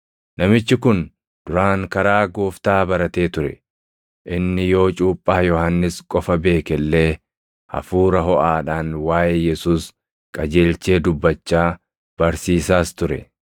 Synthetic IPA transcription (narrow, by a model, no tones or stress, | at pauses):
nɐmɪt͡ʃːɪkʊn | d̪̥ʊɾaːŋkɐɾaːɡoːft̪aːbɐɾɐt̪eːt̪ʊɾɛ̰ | ʔɪnːɪjo̞ːt͡ʃʼuːpʼːaːjɔhɐnːɪskʼɔfɐbe̞ːkɛlːe̞ː | hɐ̰fuːɾɐɦɔʔaːᶑaːnwaːjʔejɛsuːs | kʼɐd͡ʒe̞ːlt͡ʃe̞ːd̪ʊbːɐt͡ʃːaː | b̥ɐɾsiːsaːst̪ʊɾɛ̰